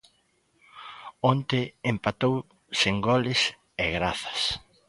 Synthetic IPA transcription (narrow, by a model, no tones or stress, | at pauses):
ont̪ɪempat̪ow | seŋɡɔlɪs | ɛɣɾaθɐ̥s